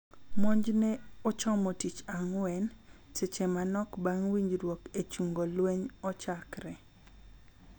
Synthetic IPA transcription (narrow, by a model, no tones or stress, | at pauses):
mɔɲd͡ʒnɛɔt͡ʃɔmɔtit͡ʃaŋwɛn | set͡ʃemanɔkbaŋwiɲd͡ʒɾwoket͡ʃuŋɡolweɲɔt͡ʃakɾɛ